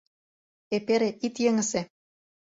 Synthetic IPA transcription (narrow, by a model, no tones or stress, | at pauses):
epeɾeʔit̪jĕŋə̆sĕ